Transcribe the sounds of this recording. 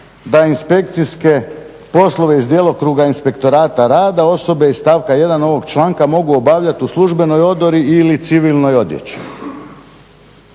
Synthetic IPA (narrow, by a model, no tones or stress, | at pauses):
d̪ainspe̞k̚t̪siske̞ | po̞slˠo̞ʋe̞izd̪jelˠo̞kɾuɡainspe̞kt̪o̞ɾaːt̪aɾaːd̪ao̞so̞beist̪aːʋkaje̞d̪ano̞ʋo̞ɡt͡ʃlˠaːŋkamo̞ɡuo̞baʋʎat̪iuslˠuʒbe̞no̞jo̞d̪oɾiilit̪siʋilˠno̞jo̞d̪jḛt͡ɕi̥